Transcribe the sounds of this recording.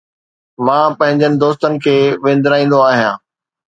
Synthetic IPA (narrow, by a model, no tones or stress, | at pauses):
mãːpɐ̃ɦɪ̃ɲd͡ʑənɪ̆d̪oːs̬t̪ənɪ̆kʰeːʋẽːn̆d̪ɪɾaːĩːn̆d̪oaːɦijãː